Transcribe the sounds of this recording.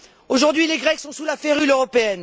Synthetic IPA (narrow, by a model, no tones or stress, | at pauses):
oʒuʁd̪ɥileɡʁɛksɔ̃sulafeʁyløʁɔpeɛn